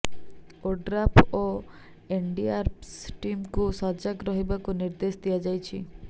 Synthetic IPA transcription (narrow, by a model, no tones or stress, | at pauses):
oɖɾapʰo | eɳɖiaɾsʈimkusɔɾd͡ʒakɾɔɦibakuniɾd̪esd̪ijad͡ʒajt͡ʃʰḭ